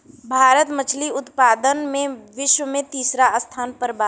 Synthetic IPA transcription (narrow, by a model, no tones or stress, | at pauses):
bʱaːɾət̪mət͡ʃʰliʊt̪paːd̪ənmẽʋɪʃwəmẽt̪iːsɾast̪ʰaːnpəɾbaː